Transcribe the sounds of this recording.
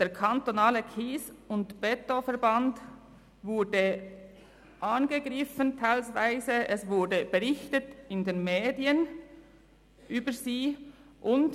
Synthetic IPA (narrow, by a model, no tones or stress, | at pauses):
d̥eːɐkʰantonaːləkʰiːsʊntb̥ɛtofɛɐband | vʊɐdə | ʔanɡəɡʁɪfəntʰaɪlsvaɪzəʔɛsvʊɐdəb̥əʁɪçtətɪndeːnmeːdiən | ʔyːbəziːʔʊnt